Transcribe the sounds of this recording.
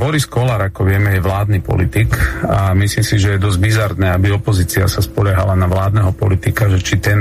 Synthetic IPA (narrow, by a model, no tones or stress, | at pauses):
bɔɾiskɔlaɾakɔʋɪɛmɛjɛʋlaːd̪niːpɔ̰lit̪ikamislimsiʒɛjɛd̪ɔzdbizaɾnɛːabiɔpɔziːt͡sia̰saspɔʎaɦalanaʋlaːd̪nɛːɦɔpɔlit̪ikaʒɛt͡ʃit̪ɛn